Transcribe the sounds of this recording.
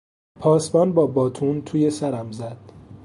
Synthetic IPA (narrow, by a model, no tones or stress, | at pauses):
pʰɒːsbɒːnbɒːbɒːt̪ʰuːnt̪ʰuːje̞sæɾæmzæd̪̥̚